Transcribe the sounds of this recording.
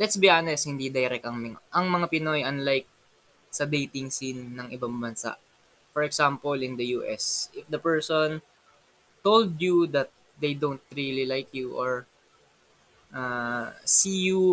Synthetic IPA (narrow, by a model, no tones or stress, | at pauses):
lɛt̪sbiʔanɛshɪnd̪id̪ɐjɾɛk̚t̪ɐŋmɪŋaʔɐŋmɐŋapɪnojɐnlajk̚ | sɐd̪ejt̪ɪŋsinːɐŋʔɪbaŋbɐnsa̰ʔ | fɔɹɛksãmpolɪ̃nd̪ɐjuːʔɛ̰sʔɪfd̪ɐpɛɹson | t̪old̪jud̪ɐt̪̚ | d̪ejd̪ont̪̚ɹililajkjuʔoɹ | ʔasiːju